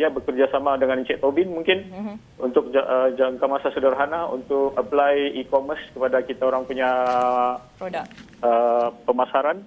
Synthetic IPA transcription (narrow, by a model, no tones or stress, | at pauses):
ijabəkərd͡ʒasamadəŋanit͡ʃɛʔ̚t̪obɪnmuŋkɪn | ṵnt̪ʊk̚d͡ʒaʔəd͡ʒaŋkamasasədəɾɦanaṵnt̪ʊkəplajikomərskəpadakit̪aoɾaŋpuɲa | əpəmasaɾan